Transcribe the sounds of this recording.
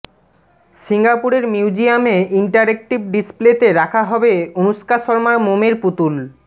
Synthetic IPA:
siŋɡapuɾeɾmiwd͡ʑiameiɳʈaɾek̚ʈib̚ɖisplet̪eɾakʰaɦɔbeonuʃkaʃɔɾmaɾmomeɾput̪ul

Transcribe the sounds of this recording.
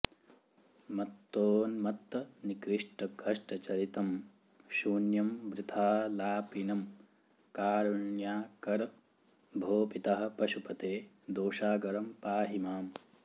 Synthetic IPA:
mɐt̪ːoːnmɐt̪ːɐnikɾiʂʈɐkʰɐʂʈɐt͡ʃɐɾit̪ɐm | ʃuːnjɐmʋɾɪt̪ʰaːlaːpinɐm | kaːɾuɳjaːkɐɾ | bʱoːpit̪ɐɦɐ̆pɐʃupɐt̪eː | d̪oːʃaːɡɐɾɐmpaːɦimaːm

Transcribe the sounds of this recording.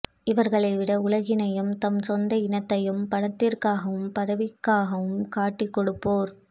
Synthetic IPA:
ɪʋɐɾɣɐɭɐɪʋɪɽɐʊlɐɣɪnɐjɯmt̪ɐmsɔnd̪ɐɪnɐt̪ːɐjɯmpɐɽɐt̪ːɪrkaːɣɐʋɯmpɐðɐʋɪkːaːɣɐʋɯmkaːʈːɪkːɔɽɯpːoːɾ

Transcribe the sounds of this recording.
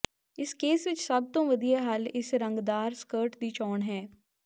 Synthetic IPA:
ɪskeːsʋɪt͡ʃsəb̚t̪õːʋəd̪ijaːɦalɪsɾəŋɡd̪aːɾskəːɾʈd̪iːt͡ʃɔːɳɦɛː

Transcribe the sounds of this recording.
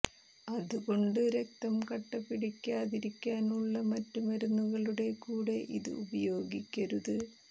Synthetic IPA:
ɐðuɣo̞ɳɖɨɾek̚t̪ɐmkɐʈːɐpːiɽikʲːaːðiɾikʲːaːnuɭːɐmɐtːumɐɾunːuɣɐɭuɽe̞kuːɽe̞ʔiðɨ̰ubɐjo̞ːɡikʲːɐɾuðɨ

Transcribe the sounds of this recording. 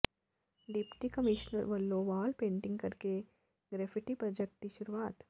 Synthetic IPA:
ɖɪpʈikɐmɪʃnəɾʋɐlːoʋaːlpẽːɳʈɪ̃ŋɡkɐɾke | ɡɾɛːfʰɪʈipɾɐd͡ʒek̚t̪iʃʊɾuaːt̪

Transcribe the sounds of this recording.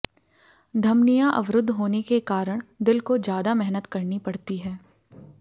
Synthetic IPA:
d̪ʱɐmnijãʔɐ̰ʋɾʊd̪ʱːɦoːnekekaːɾəɽ̃d̪ɪlkod͡ʒjaːd̪amɛɦnət̪kɐɾnipɐɽ̤t̪iɦɛː

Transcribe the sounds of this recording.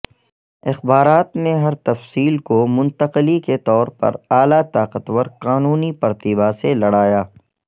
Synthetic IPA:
ɪxbaːɾaːt̪neɦɐɾt̪ɐfsiːlkomʊ̃nt̪əqliket̪ɔːɾpɐ̰ɾaːlat̪aːqət̪ʋəɾqaːnuːnipɐɾt̪iːbaselɐɽaːjaː

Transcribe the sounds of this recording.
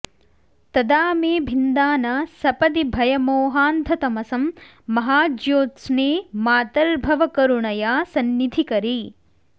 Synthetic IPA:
t̪ɐd̪aːmeːbʱind̪aːnɐsɐpɐd̪ibʱɐjɐmoːɦaːnd̪ʱɐt̪ɐmɐsɐmː | ɐɦaːd͡ʒjoːt̪sneːmaːt̪ɐɾbʱɐʋɐkɐɾuɳɐjaːsɐnːid̪ʱikɐɾi

